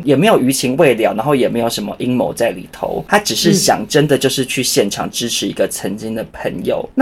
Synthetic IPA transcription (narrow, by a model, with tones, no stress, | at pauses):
jɛ˨˩me˧˥jo˨˩ʊy˧˥t͡ɕʰi˧˥ŋwe˥˩ɪljɑ˨˩ʊna˧˦ŋxo˥˩ʊjɛ˨˩me˧˥ɪjo˨˩ʊʂə˧˥nmə̰˧ʔi˦˥ŋmo̰˧˥ʊt͡sa˥˩ɪlḭ˨˩t̪ʰo̰˧˦ʊt̪ʰa˦˥ʈ͡ʂɻ̩˨˩ʂɻ̩˥˩ɕjɑ̰˨˩ŋʈ͡ʂə˦nd̪ə˨t͡ɕjo˥˧ʊʂɻ̩˥˧t͡ɕʰy˥˨ɕjɛ˥˩nʈ͡ʂʰɑ̰˨˩ŋʈ͡ʂɻ̩˥ʈ͡ʂʰɻ̩˧i˧˥ɡə˨t͡sʰə˧˦ŋt͡ɕi˥ŋd̪ə˨pʰə̰˧˥ŋjo̰˨˩ʊa˥